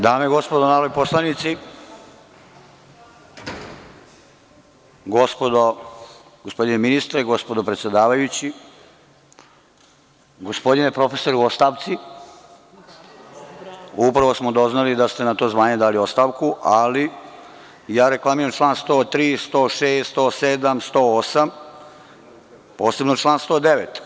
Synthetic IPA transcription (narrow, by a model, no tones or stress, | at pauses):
d̪aːmeɡo̞spod̪onaːɾojposlˠanit̪si | ɡo̞spo̞d̪o | ɡospo̞d̪ineminist̪ɾeɡo̞spo̞d̪opɾet̪sje̞d̪aːʋajut͡ɕi | ɡo̞spo̞d̪inepɾofe̞so̞ɾuo̞st̪aːʋt̪si | upɾaʋosmod̪o̞znalid̪ast̪e̞nat̪o̞ːzʋaːɲe̞d̪aːliost̪aːʋkuʔali | jaːɾe̞klˠamiɾamt͡ʃlˠaːnst̪oːt̪ɾiːst̪o̞ːʂeːst̪st̪oːsed̪amst̪o̞ːosam | po̞ːse̞bnot͡ʃlˠaːnst̪o̞ːd̪eʋet̪